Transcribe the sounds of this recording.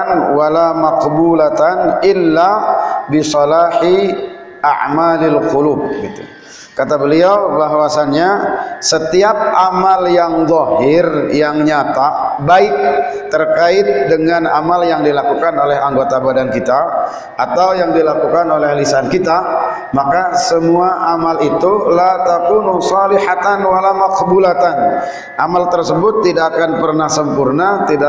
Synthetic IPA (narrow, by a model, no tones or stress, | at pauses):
nwalamaqbulat̪anɪlːabisɔlaħi | ʔa̰ʕmalalqulub̚ɡit̪u | kat̪abəliawbaɦwasanɲasət̪iap̚amaljaŋðˤɔhɪrjaŋɲat̪abaɪk̚ | t̪ːərkaɪt̪̚dəŋanamaljaŋdilakukanolɛɦaŋɡot̪abadankit̪a | ʔat̪awjaŋdilakukanolɛhlisankit̪a | makasəmuaʔamalit̪ulat̪akunusɑlihat̪anwalamaqbulat̪an | ʔamalt̪ərsəbʊt̪ːidaʔkanpərnahsəmpʊrnat̪ida